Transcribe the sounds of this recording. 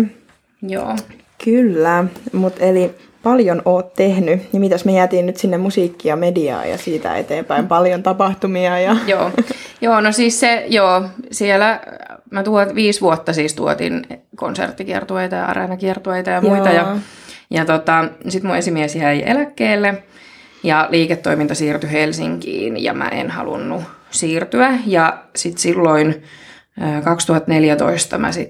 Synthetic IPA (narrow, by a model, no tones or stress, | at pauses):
jo̰ː | kylːæmut̪eli | pɑljonoːt̪t̪ehnynimit̪æsmejæːt̪iːnnyt̪sinːemmusiːkːiɑmediɑ̰ːjɑ̰siːt̪æ̰ḛt̪eːmpæimpɑljont̪ɑpɑht̪umiɑjɑjoːjoːnosiːssejoːsielæmæt̪uoʋiːsʋuot̪ːɑsiːst̪ṵo̰t̪ḭnko̰nsḛrt̪ːikiɛ̰rt̪ueit̪ɑjɑ̰ɑ̰rḛnɑkiɛrt̪ueit̪ɑjɑmuit̪ɑjɑjɑt̪ot̪ɑsit̪muesimiesjæiʔḛlækːeːlːe | jɑliːket̪ːoimint̪ɑsiːrt̪yhelsiŋkḭːnjɑ̰mæ̰ʔḛnhɑ̰lṵnːusiːrt̪yæjɑsit̪silːoin | əːkɑkst̪uhɑt̪neljæt̪o̰ist̪ɑmæ̰sit̪